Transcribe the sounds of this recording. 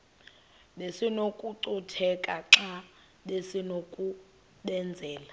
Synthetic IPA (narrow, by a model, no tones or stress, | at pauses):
ɓesinokʼuǀutʰɛkʼaǁa | lesinokʼu | ɓɛnd͡zʱɛːla